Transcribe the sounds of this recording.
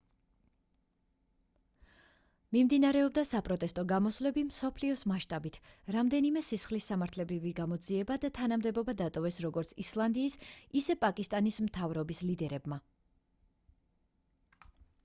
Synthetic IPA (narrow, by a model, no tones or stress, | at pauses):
mimd̪inaɾɛɔbd̪asapʼɾɔt̪ʼɛst̪ʼɔɡamɔsvlɛbimsɔpʰliɔsmaʃt̪ʼabit̪ʰɾamd̪ɛnimɛsisχlisːamaɾt̪ʰlɛbɾiviɡamɔd̪ziɛbad̪at̪ʰanamd̪ɛbɔbad̪at̪ʼɔvɛsɾɔɡɔɾt̪sʰislˠand̪iːsisɛpʼakʼist̪ʼanismt̪ʰavɾɔbislid̪ɛɾɛbma